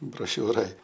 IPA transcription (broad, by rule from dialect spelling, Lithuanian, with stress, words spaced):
broːˈʃʲuːroːj